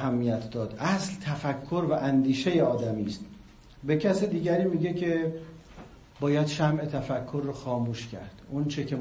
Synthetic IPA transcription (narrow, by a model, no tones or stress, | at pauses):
ɦæmːijæt̪ʰd̪ɒːd̪̥ʔæslt̪ʰæfækʰːo̞ɾvæʔænd̪iːʃe̞jeɒːd̪æmiːst̪ | be̞cʰæsed̪iːɟæɾiːmiːɟe̞cʰe̞ | bɒːjæd̪̥ʃæmʔe̞t̪ʰæfækʰːoɾːoxɒːmuːʃcʰæ̰ɾd̪̥ont͡ʃʰecʰe̞